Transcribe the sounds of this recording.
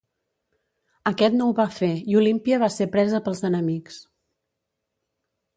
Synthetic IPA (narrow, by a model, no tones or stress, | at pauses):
əkɛt̪nɔwβafeiulimpiəβasepɾɛzəpəlˠzðənəmiks